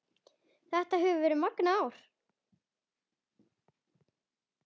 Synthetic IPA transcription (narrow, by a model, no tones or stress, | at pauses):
θɛht̪aɦɛvʏvɛːɾʏmaknaaːwɾ̥